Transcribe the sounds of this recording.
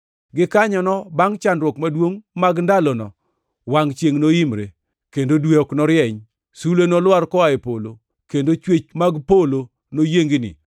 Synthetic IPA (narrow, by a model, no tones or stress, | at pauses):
ɡɪkaɲɔnɔbaŋt͡ʃandɾwɔkmadwoŋmaɡndalɔnɔ | waŋt͡ʃjeŋnoimɾḛ | kendodweɔknɔɾjɛɲ | sulenɔlwaɾkɔaepolo | kendot͡ʃwet͡ʃmaɡpolo | nojeŋɡinɪ̰